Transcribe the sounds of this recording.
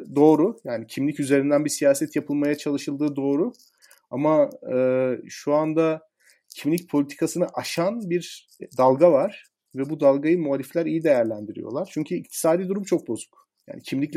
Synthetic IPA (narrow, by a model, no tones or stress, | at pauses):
d̪o̞ːɾujaːnicʰimlʲicyze̞ɾind̪ænbisijaːsɛt̪japʰɯlˠmajat͡ʃʰalˠɯʃɯlˠd̪ɯːd̪o̞ːɾu | amaɯːʃuand̪a | cʰimlʲic̚pʰo̞lʲit̪ʰi̥kʰasɯnaʔaʃanbiɾ | d̪alˠɡavaɾ̥ | vɛbud̪alˠɡajɯmuaːlʲiflʲæɾijid̪ejæɾlʲænd̪iɾḭjo̞̰lˠaɾ̥t͡ʃʰyɲcʰyic̚t̪ʰi̥saːd̪iːd̪uɾumt͡ʃʰo̞k̚bo̞zu̥k | jja̰ːnicʰimlʲiclʲ